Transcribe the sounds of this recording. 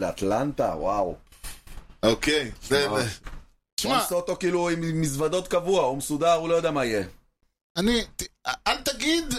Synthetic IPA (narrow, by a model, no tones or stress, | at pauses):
lea̰t̪lant̪a̰wa̰w | okejzeve | ʃmasot̪o̞kiːluimːisvad̪ot̪̚kavuaumesud̪aʁulojodeamaije | anialt̪aɡid̪